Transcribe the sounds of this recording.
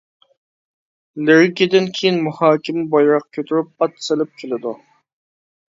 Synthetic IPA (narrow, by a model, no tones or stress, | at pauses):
lɪɾɪkʲid̪ɪnkʲʰejinmuhɑːkʲimbɑjɾɑqkʲʰøt̪ʰyɾyp̚ːɑt̪sɪlɪp̚kʲʰelɪd̪u